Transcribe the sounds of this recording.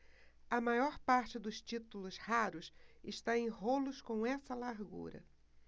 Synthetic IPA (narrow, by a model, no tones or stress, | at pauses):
ɐmajɔɾpaɾt͡ʃɪd̪ʊst͡ʃit̪ulʊshaɾʊsɪʃt̪aẽj̃ɦolʊskõw̃ɛsɐlaɾɡṵɾɐ̰